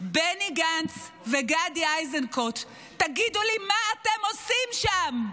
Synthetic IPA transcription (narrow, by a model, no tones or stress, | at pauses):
beniɡant͡s | veɡadiajzenkot̪ː | aɡidulimaːtemosimʃam